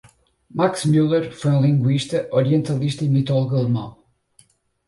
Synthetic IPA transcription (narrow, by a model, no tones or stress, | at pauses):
maksmulˠeɾfojũlˠĩŋɡwiʃt̪ɐʔɔɾiẽnt̪ɐlˠiʃt̪ɐimit̪ɔlˠuɣɐlˠmɐ̰̃w̃